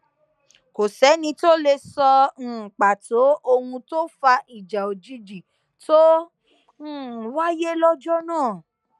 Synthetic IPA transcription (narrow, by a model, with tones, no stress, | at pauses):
ko˨sɛ˨˦nĩ˧to˦le˧sɔ̃˧˨k͡pa˨tʰo˨˦o˧hũ˧to˦fa˧ʔi˨d͡ʒa˨o˨d͡ʒi˨˦d͡ʒi˨ | to˦˨ | wa˦je˦lɔ˦d͡ʒɔ˦nãː˦˨